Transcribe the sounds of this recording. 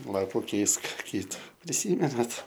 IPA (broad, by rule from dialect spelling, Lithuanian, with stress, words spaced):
ˈlˠɑːpʊ ˈkʲɛɪsk ˈkʲiːtʊ pʲrʲɪˈsʲiːmʲɛnɐt